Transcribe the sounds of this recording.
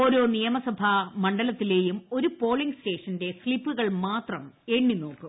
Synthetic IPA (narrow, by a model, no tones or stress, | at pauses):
o̞ːɾo̞ːnijɐmɐsɐbʱɐmɐɳɖɐlɐt̪ːile̞ːjumo̞ɾupo̞ːɭiŋɡste̞ːʂɐnde̞sɭipːuɣɐɭmaːt̪rɐme̞ːɳːino̞ːkːu